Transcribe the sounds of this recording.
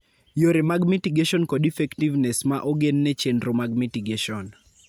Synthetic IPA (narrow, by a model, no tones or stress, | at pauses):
joɾemaɡmitiɡeʃɔnkɔdifɛktivnɛsmaʔoɡenːɛt͡ʃendɾomaɡmitiɡeʃɔn